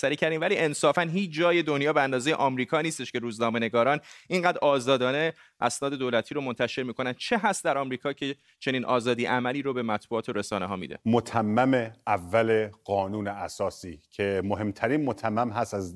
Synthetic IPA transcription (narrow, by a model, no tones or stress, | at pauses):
sæɾiːcʰæɾd̪iːmvæliːʔensɒːfænɦiːt͡ʃd͡ʒɒːje̞d̪o̞njɒːbeænd̪ɒːze̞jeʔɒːmɾiːkʰɒːniːst̪e̞ʃkʲe̞ɾuːznɒːme̞ne̞ɡɒːɾɒːniŋɢæːd̪ɾʔɒːzɒːd̪ɒːne | ʔæsnɒːd̪e̞d̪oːlæt̪ʰiːɾomo̞nt̪ʰæʃe̞ɾmiːkʰo̞nænd̪̥̚t͡ʃʰeɦæst̪d̪æɾɒmɾiːkʰɒːcʰe̞ | t͡ʃʰe̞niːnʔɒ̰ːzɒːd̪iːʔæmæliːɾobe̞mæt̪ʰbuɒːt̪ʰoɾesɒːneɦɒːmḭd̪ḛmot̪ʰæmːæmeævːæleɢɒːnuːneæsɒːsiːcʰemohe̞mt̪ʰæɾiːnmot̪ʰæmːæmɦæsæz